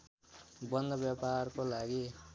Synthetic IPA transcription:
bʌnd̪ʱʌbjaparkolaɡi

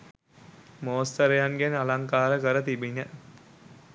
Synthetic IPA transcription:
moːst̪əɾejaŋɡenalaŋkaːɾəkəɾət̪ibiɲə

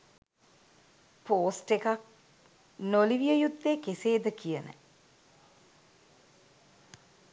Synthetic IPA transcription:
poːsʈekak̚ | noliʋijəjud̪ːekeseːd̪əkijənə̰

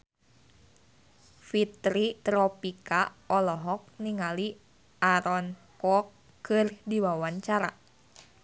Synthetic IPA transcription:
fit̪ɾit̪ɾɔpikaɔlɔɦɔk̚niŋali | aɾɔn | kɔkː | ɨrdiwawaɲt͡ʃaɾa̰

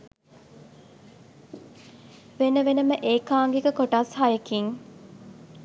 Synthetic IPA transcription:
ʋenəʋenəməʔeːkaːŋɡekəkoʈashajekiŋ

